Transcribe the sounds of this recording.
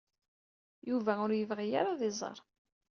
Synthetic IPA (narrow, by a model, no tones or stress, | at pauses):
juvæʊɾjəvʁija̰ɾaðezˤə̰ɾˤ